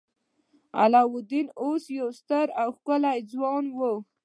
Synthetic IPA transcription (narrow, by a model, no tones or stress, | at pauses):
a̰lɑwʊd̪inosjawst̪əɾawxkəlajd͡zwɑnwə